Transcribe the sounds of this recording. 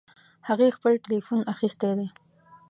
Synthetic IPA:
haɣexpəlʈɪlifunaxist̪ed̪e

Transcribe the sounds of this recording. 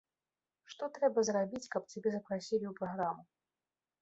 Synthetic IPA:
ʂt̪ɔt̪ɾɛbɐzrabʲit͡sʲkɐpt͡sʲabʲɛzɐpɾasʲilʲiupɾaɣɾamu

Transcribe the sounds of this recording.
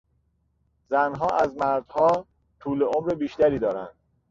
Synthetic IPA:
zænɦɒːʔæzmæɾd̪̥hɒː | t̪ʰuːleomɾebiːʃt̪æɾiːd̪ɒːɾæ̰nd̪̥

